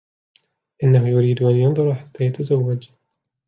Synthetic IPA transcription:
ʔɪnːaɦʊjʊɾiːd̪ʔanjʊnðˤʊɾħat̪ːaːjat̪azawːad͡ʒ

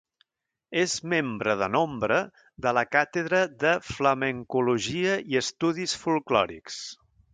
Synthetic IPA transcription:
ezmembɾəðənombɾə | d̪ələkat̪əðɾəðəfləməŋkuluʒiəiəst̪uðisfulˠklɔ̰ɾḭks

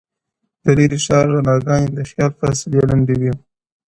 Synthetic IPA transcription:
d̪̥əliɾiʃɑːɾɣanɑɡɑjd̪əxjɑlfa̰sɪljalaɳɖewi

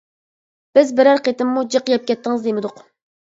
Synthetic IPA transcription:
b̥ɪzbɪɾæɾqet̪ɪmːud͡ʒəqjɛp̚kʲɛt̪ːɪŋɨzd̪emɪd̪ʊq

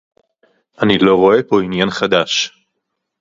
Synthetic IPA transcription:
ʔanilo̞ʁo̞e̞po̞injanχad̪aʃ

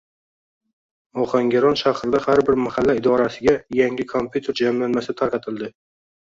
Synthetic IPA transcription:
ɒχaŋɡʲaɾɒnʃaχɾɪd̪ahaɾbɪɾmahalːaɪd̪ɒɾasɪɡʲajaŋʲɪkʰompʰʲjut̪ʰe̞ɾd͡ʒamlanmasɪt̪ʰaɾqʰɑt̪ʰɪlˠd̪ɪ

